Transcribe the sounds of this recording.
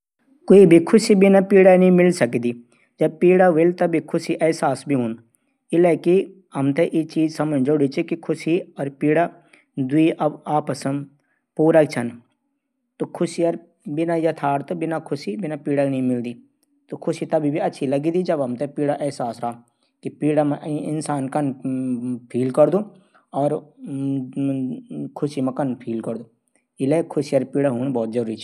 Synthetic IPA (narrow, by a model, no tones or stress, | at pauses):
koːibʱikʰʊsibɪnapiːɽanəĩmɪlsəkid̪iː | d͡ʒɐb̚piːɽaʋɪlt̪ɐbʱikʰʊsiʔɛːsaːsbʱiɦʊn | ɪlɛːki | ɦɐmt̪eʔet͡ʃiːd͡ʒsɐmənd͡ʒoːɽit͡ʃikikʰʊsiɔːɾpiːɽa | d̪ʊiːʔɐbaːpəsəm | puːɾakt͡ʃʰən | t̪okʰʊsiɔɾ | bɪnajɐt̪ʰaːɾt̪obɪnakʰʊsibɪnapiːɽanɐɦĩmɪld̪i | t̪okʰʊsit̪ɐbʱibʱiɐtːʃʰilɐɡid̪id͡ʒɐbɐmt̪epiːɽaʔɛːsaːsɾaː | kipiːɽamãʔɪnsaːnkɐn | pʰiːlkɐɾd̪uː | ɔːɾ | kʰʊsimɐ̃kɐnpʰiːlkɐɾd̪oː | ɪlekʰʊsiɐɾpiːɽaɦuːnbɔːt̪̚zɐɾuːɾit͡ʃʰi